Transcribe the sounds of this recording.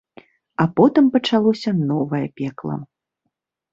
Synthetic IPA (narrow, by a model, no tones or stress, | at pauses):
ɐpɔt̪ɨmpɐt͡ʂalˠɔsʲɐnɔvɐjɐpʲɛklˠɐ̰